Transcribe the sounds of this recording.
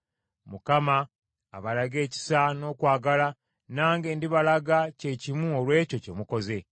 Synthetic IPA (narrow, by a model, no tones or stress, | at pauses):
mukama̰ː | βalaɡe̞ːci̥sano̞ːkwaːɡala | naːŋɡe̞ːndiβalaɡace̞cimuolwe̞ːco̞ce̞muko̞ze̞